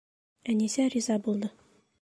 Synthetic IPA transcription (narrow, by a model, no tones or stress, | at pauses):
ænisæɾʲizɑbulˠd̪ɤ